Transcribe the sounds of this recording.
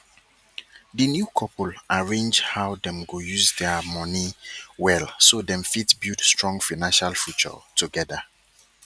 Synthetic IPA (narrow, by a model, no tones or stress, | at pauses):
dənjukʰɔpʰulaɹẽnd͡ʒhawdɛ̃mɡojuzdɛmɔniwɛlsodɛ̃mfitbudstɹɔ̃ŋfanãnʃalfjut͡ʃɔ̰tʰuɡɛda